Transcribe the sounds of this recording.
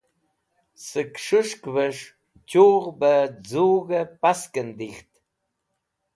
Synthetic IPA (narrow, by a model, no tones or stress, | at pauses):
səkʂɨʂkvəʂ | t͡ʃuːʁbəd͡zuːɣəpaskənd̪iχt̪